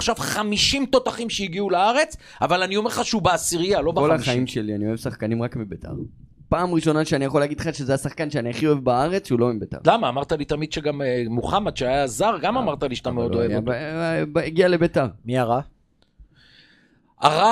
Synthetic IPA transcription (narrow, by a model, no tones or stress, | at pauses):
χʃavχamiʃimt̪o̞t̪aχimʃejiɡiulaaʁe̞t͡s | avalanio̞me̞χaʃeubeasiʁijalo̞kbolaχaimʃelianio̞evsaχkanimʁakmibetʰa̰ʁ | paːmʁiʃo̞naʃeanijaχo̞laɡid̪χaʃezehasaχkanʃeaniaχio̞evbaaʁe̞t͡sʃeulo̞imbet̪a̰ʁlamaːmaʁt̪alit̪amid̪ʃeɡammuχamat̪ʃeajazaʁɡamamaʁt̪aliʃt̪ameoddoejbbeɡiale̞betaʁmiaʁa | aʁa